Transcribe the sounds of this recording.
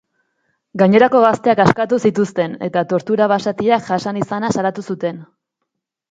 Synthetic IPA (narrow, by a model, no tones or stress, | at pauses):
ɡaɲe̞ɾako̞ɣast̪e̞akaskat̪usit̪ust̪e̞ne̞̰t̪at̪o̞ɾt̪uɾaβasat̪iakʝasanisanasalat̪usut̪e̞n